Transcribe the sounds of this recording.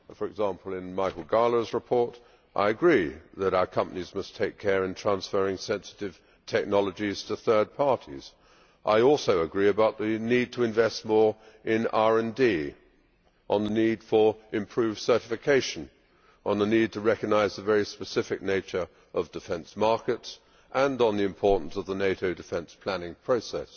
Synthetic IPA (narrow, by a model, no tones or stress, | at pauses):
fə˞ɨɡzæ̃mpl̩ˠɪ̃nmaɪkl̩ˠɡɑɹlˠə˞zɹəpʰɔɹɾ | ʔa̰ɪɨɡɹiðɨɾaʊə˞kʰʌ̃mpənizmʌstʰeɪkʰɛɹɨ̃ntʰɹ̥æ̃nsfɜ˞ɪ̃ŋsɛ̃nsɨ̥ɾɨv̥ | tʰɛk̚nɑlˠəd͡ʒiz̥tʰɨθɜ˞d̚pʰɑɹɾḭz̥ | ʔa̰ɪɔlˠsoʊɨɡɹiɨbaʊt̪̚ðinid̚tʰɨɨ̃ɱvɛst̚mɔɹ | ɪ̃nɑɹɨ̃ndi | ʔə̃nðənid̥fə˞ɨ̃mpʰɹ̥ʉv̥sɜ˞ɾɨfɨkʰeɪʃɨ̃n | ʔə̃nðənid̚tʰɨɹɛkɨɡ̚naɪzðəvɛɹispɨsɪfɨk̚neɪt͡ʃə˞ | ʔʌvdɨfɛ̃nsmɑɹkɨts | ʔə̃nn̩ðiɨ̃mpʰɔɹʔn̩sʌvðəneɪɾoʊdɨfɛ̃nspʰl̥ænɪ̃ŋpʰɹ̥oʊsɛ̰s